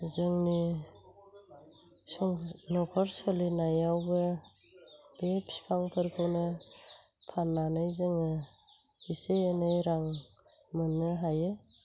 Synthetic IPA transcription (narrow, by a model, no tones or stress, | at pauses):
zɯŋni | sɔŋnɔkʰɔɾsɔlinajawbɯ | bepspʰaŋpʰɯɾkʰɯnɯ | pʰanːanajzɯŋɯ | hiseenɯjɾaŋ | mɯnːɯɦaje